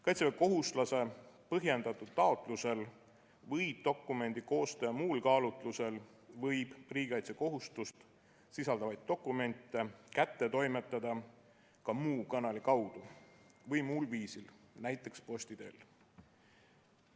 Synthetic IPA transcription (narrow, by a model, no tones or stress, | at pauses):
kɑjt̪seeko̞ɦust̪lɑse̞pɤɦje̞nd̪ɑt̪ːˑud̪̥t̪ɑo̞t̪ˑluse̞l | vɤjb̥̚d̪o̞kːˑume̞nʲd̪̥iko̞ːst̪ejɑmuːlkɑːlut̪ˑluse̞l | vɤjb̥riːɡ̥eɑjt̪seko̞ɦust̪ust̪ | sisɑld̪ɑvɑjd̪̥̚ːo̞kˑːume̞nʲt̪ːˑe̞kæt̪ːe̞t̪o̞jmet̪ˑːɑd̪̥ɑ | kɑmuːkɑnɑlikɑwd̪̥uvɤjmulviːsilnæjt̪ːˑe̞kspo̞sʲt̪id̪̥e̞̰l